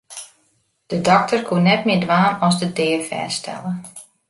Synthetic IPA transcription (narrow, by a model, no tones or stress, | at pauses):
d̥ədɔk̚tərkʰuənɛtmɪədʋaːnɔsdədɪːərfɛ̰ːstʰɛ̰lˠə